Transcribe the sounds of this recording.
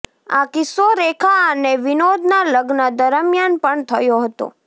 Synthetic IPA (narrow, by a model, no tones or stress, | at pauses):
a̰kɪsoɾekʰaəneʋɪnod̪ʱnaləɡnəd̪əɾəmjanpəɳt̪ʰəjoɦət̪o̰